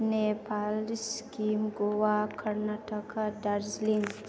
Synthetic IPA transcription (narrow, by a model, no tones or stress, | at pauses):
nepʰalskimɡowakʰɐɾnaʈɐkadaɾzlinz